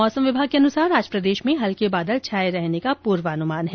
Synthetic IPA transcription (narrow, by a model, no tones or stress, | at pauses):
ɔːsəmʋɪbʱaːɡ̚keɐnʊsaːɾɾaːd͡ʒɾəpɾəd̪eːʃmẽɦɐlkebaːd̪əlt͡ʃʰaːjɾɛɦnekapuːɾʋaːɐnʊmaːnɦɛː